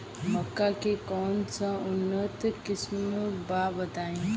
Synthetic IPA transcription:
məkːakekɔːnsãʊnːət̪kɪsmmbabət̪aːẽ

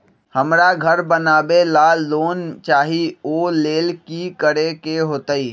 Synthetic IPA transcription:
həmɾaɡʱəɾbənaːbelaːlːoːnt͡ʃaːɦioːleːlkikəɾekeɦoːt̪aiː

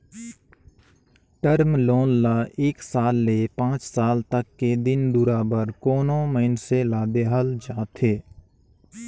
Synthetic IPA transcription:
ʈəɾmloːnːaːeːksaːlːepãːt͡ʃsaːlt̪əkːed̪ɪnd̪ʊɾaːbəɾkoːnõməɪnselaːd̪eɦəld͡ʒaːt̪ʰeː

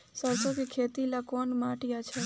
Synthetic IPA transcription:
səɾsokikʰet̪ilakɔːnmaʈijat͡ʃʰɛ

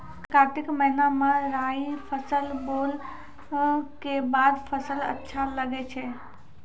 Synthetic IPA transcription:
kaːʈɪkməɦɪnamãɾaːipʰəsəlboːl | kebaːd̪pʰəsələ̰tːʃʰaləɡet͡ʃʰe

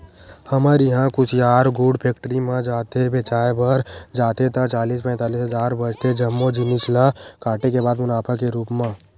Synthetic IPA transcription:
həməɾjəɦãkʊt͡ʃʰjaːɾɡʊɖpʰeːk̚ʈəɾimãd͡ʒaːt̪ebeːt͡ʃaːebəɾd͡ʒaːt̪et̪at͡ʃaːliːspɛ̃ːt̪aːliːsɦəzaːɾbəd͡ʒt̪ʰed͡ʒɐmːod͡ʒɪnɪslakaːʈekebaːd̪mʊnaːpʰakeɾuːpmã

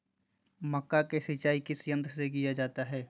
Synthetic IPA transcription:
mɐkːakesɪt͡ʃaːikisjə̃nt̪ɾsek̬ijad͡ʒaːt̪aɦɛː

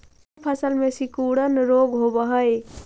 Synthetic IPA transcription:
pʰəsəlmesikuɽənɾoɡɦobəɦəj

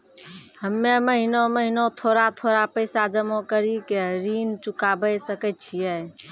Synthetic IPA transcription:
həmːẽməɦinoməɦinot̪ʰoːɾat̪ʰoːɾapəɪsad͡ʒəmokəɾikeɾiːnt͡ʃʊkabəjsəkət͡ʃʰiɛ

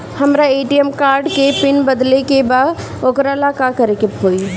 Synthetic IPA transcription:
hɐmɾaeːʈijemkaːɾɖkepɪnbəd̪lekebaːd̪ | okɾalakakəɾekeɦoːi

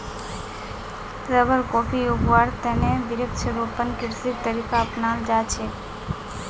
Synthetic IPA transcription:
ɾəbəɾkopʰiubʋaɾt̪eneʋɪɾəkt͡ʃʰəɾopənkɪɾsit̪ːəɾikaəpnald͡ʒat͡ʃʰe

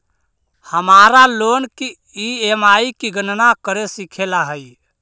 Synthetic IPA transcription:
həmaɾalonki | iemaikiɡənnakəɾesikʰelaɦəj

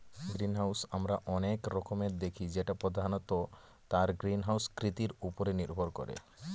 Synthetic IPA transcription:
ɡɾinɦawsamɾaʔɔnekɾɔkomeɾd̪ekʰid͡ʑeʈapɾɔd̪ʱanot̪o | t̪aɾɡɾinɦawskɾit̪iɾupoɾeniɾbʱoɾkɔ̰ɾḛ

